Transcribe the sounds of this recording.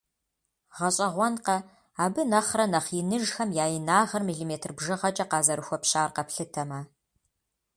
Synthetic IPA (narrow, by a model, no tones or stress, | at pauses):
ʁɐɕʼɐʁʷɔnqɐ | aːbɨnɐχrɐnɐχjɪnɨʒxɐmjaːjɪnaːʁɐrmiːɮimeːtʰrbʒɨʁɐt͡ʃʼɐqɑːzɐɾɨxʷɔpɕaːrqɐpɬɨtʰɐmɐ